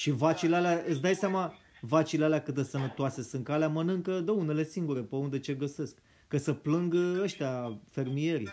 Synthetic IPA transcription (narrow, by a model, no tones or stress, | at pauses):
ʃivat͡ʃilealeaɨt̪sʲd̪ajseama | vat͡ʃilealeakɨt̪̚d̪esənət̪oase̞sɨŋkaleamənɨŋkəd̪əune̞le̞siŋɡuɾe̞pəund̪e̞t͡ʃe̞ɡəse̞skː | əsəplɨŋɡəʃt̪eafe̞rmije̞ɾḭ